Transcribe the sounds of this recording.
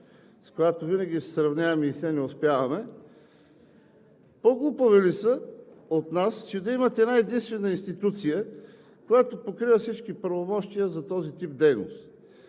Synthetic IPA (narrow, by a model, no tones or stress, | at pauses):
skojat̪ovinɐɡʲisɛsɾɐvnʲavɐmɛisɛnɛʊspjavɐmɛ | poɡlˠupovɛlisəot̪nast͡ʃɛd̪ɐimɐt̪ɛɛd̪aɛd̪inst̪vɛnəinst̪it̪ut̪sijə | kojat̪opokɾivəfsit͡ʃkipɾɐvomɔʃt̪ijəzɐt̪ɔzit̪ip̚d̪ɛjno̰st̪